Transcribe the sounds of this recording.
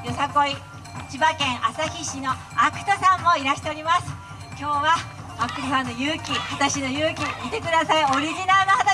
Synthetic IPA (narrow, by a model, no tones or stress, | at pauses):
josako̞i | t͡ɕibakẽ̞ɰ̃ʔasaçiɕino̞ | akɯ̟̥t̪osãmːo̞iɾaɕi̥t̪e̞o̞ɾʲimasɨ̥ | kʲo̞ːβa | bakːɯɾʲihãnːojɯ̟ːkʲihat̪aɕino̞jɯːkʲiit̪e̞kɯ̟d̪asaio̞ɾʲiʑinaɾɯnohat̪a